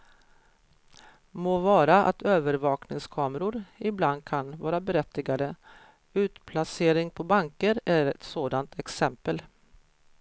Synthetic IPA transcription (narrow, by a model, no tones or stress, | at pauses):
moːvɑːɾaʔa̰t̪ʰøːvəɾvɑːknɪŋskʰɑːməɾʊɾɪbland̪̚kʰanvɑːɾabɛɾɛt̪ːɪɡad̪ə | ʉ̟ːt̪pʰlaseːɾɪŋpʰɔbaŋkəɾæɾɛt̪soːd̪ant̪ʰɛksɛmpəl